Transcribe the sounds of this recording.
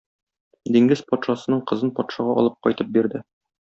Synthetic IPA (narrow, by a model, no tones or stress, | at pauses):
d̪iŋɡɘzpɒt̪ʃɑsɤ̆nɤɴqɤ̆zɤnpɒt̪ʃɑʁɑʔɒ̰lˠɤp̚qɒjt̪ɤp̚biɾd̪ɘ